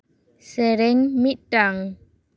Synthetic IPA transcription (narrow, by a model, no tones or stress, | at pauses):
sɛɾɛŋmiʔʈaŋ